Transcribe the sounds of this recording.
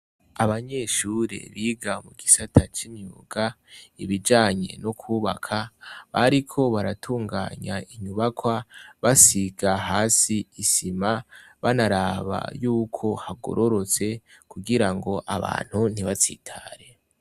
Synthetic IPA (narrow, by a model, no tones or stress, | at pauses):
aβaɲe̞ʃuːɾe̞̰βiɡamuɡisatʰat͡ʃimɲṵːɡ̥a | iβid͡ʒaːɲe̞̰nokʰuːβakʰaβaɾikʰo̞βaɾatʰuːŋɡa̰ːɲaiɲuβakwaβasiɡaɦaːsiisima | βanaɾaβa̰juːkʰo̞haɡo̰ɾo̞ɾo̞t͡se̞ | kuɡiɾaŋɡo̞ʔaβa̰ːn̥hun̥iβat͡sḭtʰa̰ːɾe̞